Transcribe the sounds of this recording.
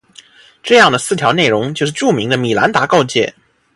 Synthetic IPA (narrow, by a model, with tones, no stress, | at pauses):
ʈ͡ʂɤ˥˧jɑ˥˩ŋd̪ə˩sɹ̩˥˩t̪ʰjɑ˧˥ʊne˥˩ɪɻʊ˧˥ŋt͡ɕjo˥˧ʊʂ̬ɻ̩˥˧˩ʈ͡ʂu˥˩mi˧˥ŋd̪ə˧mi˨˩la˧˥nt̪a˧˥kɑ˥˧ʊt͡ɕjɛ̰˥˩